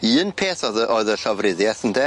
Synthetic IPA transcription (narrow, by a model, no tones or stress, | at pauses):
iːnpʰeːθɔðəʔoɨðəɬɔvrɪðjɛθəndɛ